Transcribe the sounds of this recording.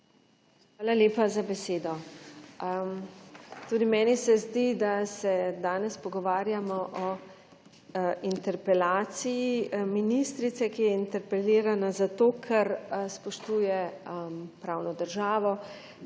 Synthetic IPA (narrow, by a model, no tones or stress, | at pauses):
xʋaːlaleːpazabɛseːd̪ɔ | t̪uːd̪imɛːnisɛzd̪id̪asɛd̪aːnɛspɔɡɔʋaːɾjamɔʔɔ | int̪ɛɾpɛlaːt̪sijiminist̪ɾit̪sɛkijɛint̪ɛɾpɛliːɾanazat̪oːkʰɛɾspɔʃt̪uːjɛ | pɾawnɔd̪əɾʒaːʋɔ